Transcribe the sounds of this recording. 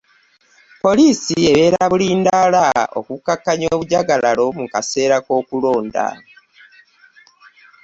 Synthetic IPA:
po̞liːsie̞βe̞ːɾaβuliːndalao̰kukːakːaɲo̞ːβuɟaɡalalo̞mukase̞ːɾako̞ːkulo̞ːnda̰

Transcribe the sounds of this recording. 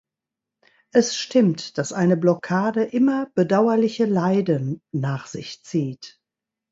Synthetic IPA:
ʔɛsʃtɪmtd̥asʔaɪnəblɔkʰaːdəʔɪmɐb̥ədaʊɐlɪçəlaɪdənnaːχz̥ɪçt͡siːt

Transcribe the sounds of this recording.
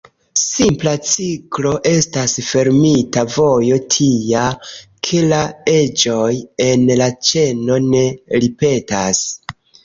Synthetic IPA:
simplat͡siklo̞ʔe̞stasfe̞ɾmitavo̞jo̞tʰija | kʰe̞lae̞d͡ʒo̞je̞nlat͡ʃe̞no̞ne̞ɾipe̞tas

